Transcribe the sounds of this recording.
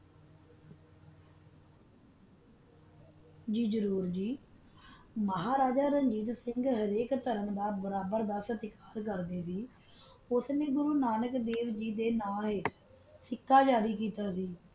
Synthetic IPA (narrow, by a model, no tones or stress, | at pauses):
d͡ʒiːd͡ʒəɾuːɾd͡ʒiː | məɦaːɾaːd͡ʒaːɾəɲd͡ʒiːt̪sɪŋɡɦəɾeːkt̪əɾənd̪aːbəɾaːbəɾd̪aːsət̪ɪkaːɾk̬əɾd̪eːsiː | ʊsnẽːɡʊɾuːnaːnəkd̪eːʋd͡ʒiːd̪eːnaːlɦɪ | sɪkʰːaːd͡ʒaːɾiːkiːt̪aːsiː